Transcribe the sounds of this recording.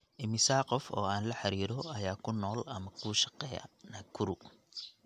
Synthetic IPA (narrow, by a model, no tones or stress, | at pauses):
ʔɪmɪsaːqɔfɔ̰ːaːnlɐħɑɾiːɾɔɐjaːkʰʊnɔːlɐmɐkʰuːʃɑ̥qɛːjɐ̰nɐkʰʊɾʊ